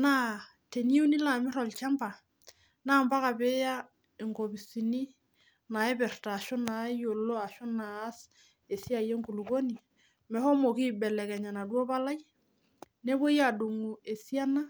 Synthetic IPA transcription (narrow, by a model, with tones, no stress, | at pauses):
na˦ | te˨ɲi˦u˦ni˦la˨mɪ˦ɾɔ˨lt͡ʃa˦mba˨ | naː˦mba˦ka˨pe˦ja˦ | e˨ŋko˨bi˨si˨ni˦ | na˨ɛ˦pɛ˨rtaː˨ʃo˦na˨jo˨lo˦a˨ʃo˦naː˨˦s | e˨si˦a˨je˦ŋku˨lu˨ko˦ni˨ | mɛ˨hɔ˦mo˨ki˦bɛ˨lɛ˨kɛ˨ɲa˨na˨dwo˦pa˦la˦j | ne˦bo˦ja˨du˨ŋu˨e˨si˦a˦na˦